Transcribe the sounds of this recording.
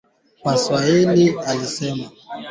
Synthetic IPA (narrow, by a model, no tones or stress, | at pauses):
kwaswailialisɛma